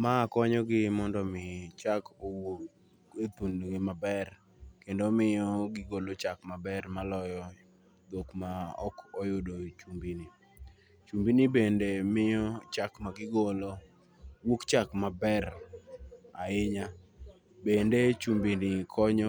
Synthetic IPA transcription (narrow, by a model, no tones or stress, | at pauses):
makɔɲɔɡɪmɔndɔmɪt͡ʃakowok | et̪unɡɪmabɛr | kendomɪjɔɡɪɡolot͡ʃakmabɛrmalɔjɔ | d̪okmaɔ̰kɔjʊdot͡ʃumbini | t͡ʃumbinibendemɪjɔt͡ʃakmaɡɪɡolo | wukt͡ʃakmabɛr | aɪɲa | bendet͡ʃumbinikʰɔɲɔ